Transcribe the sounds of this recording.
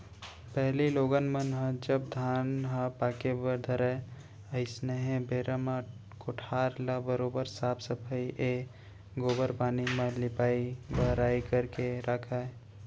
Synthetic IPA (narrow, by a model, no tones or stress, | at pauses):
pɛɦliloːɡənmənɦə̃d͡ʒəb̚d̪ʱaːnɦə̃paːkebəd̪ʱəɾɛ | əɪsneɦẽbeːɾəmã | koʈʰaːɾlabəɾoːbəɾsaːpsəpʰəiʔe | ɡoːbəɾpaːnimẽlɪpaːibəɦɾaːikəɾkeɾʔakʰae